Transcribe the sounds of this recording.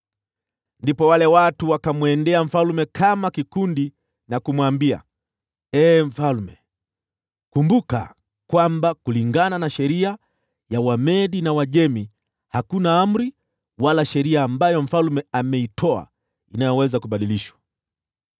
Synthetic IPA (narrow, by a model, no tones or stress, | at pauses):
ndipɔwalɛwatuwakamwɛndɛam̩falmɛkʰamakikundi | nakumwambia̰ | ɛːm̩falmɛ | kumbuka̰ | kwambakuliŋɡananaʃɛɾia | jawamɛɗinawaʄɛmi | hakunaam̩ɾi | walaʃɛɾiaːmbajɔm̩falmɛamɛitʰɔa̰ | inajɔwɛzakuɓaɗiliʃwḁ